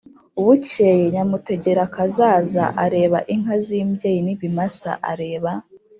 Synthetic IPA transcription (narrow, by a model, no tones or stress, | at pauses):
uβucejeɲamute̞ɟe̞ɾakazaːza̰ʔaɾe̞ːβaʔiŋhaziːmbjejiniβimasa̰ʔaɾe̞ːβa